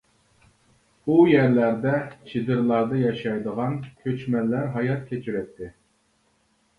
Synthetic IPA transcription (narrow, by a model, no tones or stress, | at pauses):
ujæɾlæɾd̪ɛt͡ʃʰid̪ɨɾlˠɑɾd̪ɑjɑʃɑjd̪əʁɑnkʲʰøt͡ʃmɛlːæɾɦɑjɑt̪̚kʲʰet͡ʃʰyɾɛt̪ʰːɪ